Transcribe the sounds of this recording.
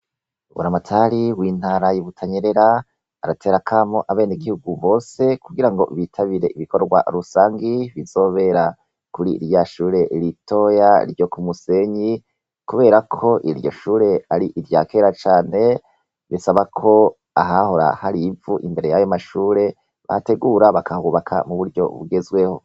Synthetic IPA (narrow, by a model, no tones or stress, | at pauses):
βṵɾamatʰaɾiwiːn̥haːɾajiβutʰaɲeɾeɾa | aɾatʰe̞ːɾakʰaːmoʔaβe̞ːniɡihuɡuβo̞ːse̞kuɡiɾaŋɡo̞̰βitʰaβiɾe̞ʔiβikʰo̞ɾɡwa̰ɾusaːŋɡiβizo̞ːβe̞ɾa | kuɾiɾjaʃuːɾe̞ʔiɾitʰo̞ja̰ɾjo̞kumuse̞ɲi | kuβe̞ːɾakʰo̞ʔiɾjo̞̰ʃuːɾe̞aɾiʔiɾja̰kʰe̞ːɾat͡ʃaːne̞ | βisaβakʰo̞ | aɦaho̞ɾa̰haɾivuʔimbe̞ɾejajo̞maʃuːɾe̞ | βa̰te̞ɡuɾaβakʰahuːβakʰa̰muβuɾɟo̞̰βṵɡe̞zwe̞ho̞